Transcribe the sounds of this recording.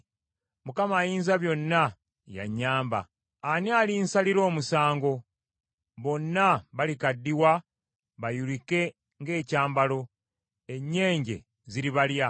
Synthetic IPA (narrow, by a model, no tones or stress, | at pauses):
mukamaːjiːnzaβjo̞nːa | ja̰ɲːaːmba̰ː | nialinsaliɾo̞ːmusaːŋɡo̞ | βo̞nːaβalikadːiwa | βajulike̞ | ŋɡe̞ːcaːmbalo̞ | e̞ɲːe̞ːɲɟe̞̰ | ziɾiβalja